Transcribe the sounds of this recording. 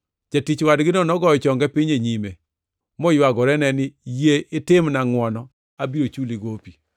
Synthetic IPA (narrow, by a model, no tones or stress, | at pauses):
d͡ʒatit͡ʃwadɡɪnɔnɔɡɔjɔt͡ʃɔŋɡɛpiɲeɲime | mɔjwaɡɔɾɛnɛnɪjeʔɪtɪmnaŋwɔnɔ | abiɾot͡ʃuliɡopi